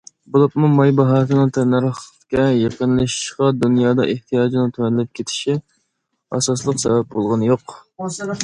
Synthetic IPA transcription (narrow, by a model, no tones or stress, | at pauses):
bulˠɑpmumɑjbɑɦɑːsɨnɨŋt̪ʰɛnæɾχ | kʲɛjɑqənlˠɨʃi̥ʃqɑd̪unjɑːd̪ɑ̰ʔeht̪ʰijɑːd͡ʒinɨt̪ʰuwɛnɪlɪp̚kʲʰet̪ʰɪ̥ʃi | ɑ̰sɑslˠəqsɛbɛp̚bolˠʁɑnɨjoq